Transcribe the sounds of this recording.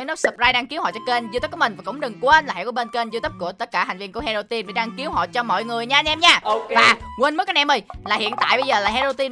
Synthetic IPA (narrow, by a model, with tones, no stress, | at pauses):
nɔ˦˥sə˨˩p̚zaː˧jɗaː˧ŋki˨˦whɔ̰˧˨t͡ɕɔ˧ke˧nzt̪i˦˥ku˧˩ə˨ï˨˩ŋ̟va˨˩kʊ̰˧˥wŋ͡mɗɨ˨˩ŋkwe˧nlaː˨˩˨ɛ̰˧˨ku˧˩ɓe˧nke˧nzɨ˧t̪i˦˥p̚ku˧˩ət̪ə˦˥t̚kaː˧˩hŋ̟vi˧əkəhɛ˧zo˧t̪i˧ni˨˩ɗaː˧ŋki˨˦əwɦɔ̰˧˨jt͡ɕɔ˧mɔ̰˧˨jŋɨ˨˩əjɲaː˧nʔɛ˧mɲaː˧vaː˨˩wi˧nm̚˦˥kːa˨˦nʔɛ˧˩mə˨˩jlaː˨˩hḭ˧˨ənt̪a̰ː˧˨jɓə˧jzəː˨˩laː˨˩ɦɛ˧zo˧wt̪i˧n